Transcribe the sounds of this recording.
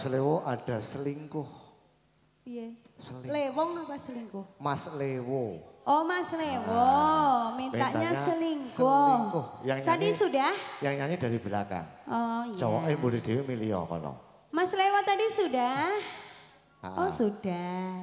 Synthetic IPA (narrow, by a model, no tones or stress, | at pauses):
aslewoʔad̥a̤səliŋkʊh | jɛ | səlilewɔŋapasəliŋkʊhmaslewoʔɔmaslewominmiaʔɲasəliŋkʊkʊhjaŋjt̪adisudahjaŋjaɲidadibila̰ka̰nʔɔijd͡ʒawa̰ʔɪbolɛhd̥iwemiliɔ̰kɔ̰lɔ̰ | maslewot̪adisudah | aʔɔsud̥a